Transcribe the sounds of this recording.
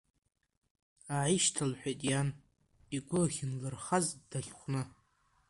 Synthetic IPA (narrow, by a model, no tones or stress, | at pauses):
aʕiʃtʰalħᶣʷetʼjan | iɡʷʊχʲɪnlɨrχazdaχʲχʷnɨ